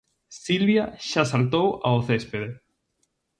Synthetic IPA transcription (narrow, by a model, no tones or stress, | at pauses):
silβjaʃasalt̪owa̰oθespeðe